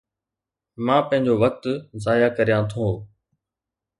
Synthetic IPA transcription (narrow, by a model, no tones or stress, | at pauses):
mãːpə̃ɦɪ̃ɲd͡ʑoːʋək̚t̪zaːjaːkəɾijãːt̪ʰõː